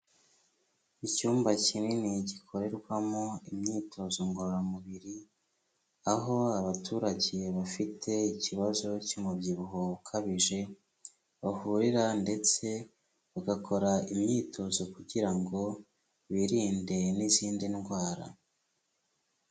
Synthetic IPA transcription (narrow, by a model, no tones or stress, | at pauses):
icuːmbacininiɟikʰo̞ɾe̞ɾɡwamoimɲiːtʰo̞zoŋɡoɾamuβiɾi | aɦo̞aβatʰuːɾaɟeβafitʰe̞iciβazo̞comubjiβuɦoukʰaβiʒe̞ | βahuɾiɾande̞t͡se̞ | βaɡakʰo̞ɾaimɲiːtʰo̞zo̞kuɟiɾaŋɡo̞ | βiɾiːnde̞niziːndinɡwaːɾa̰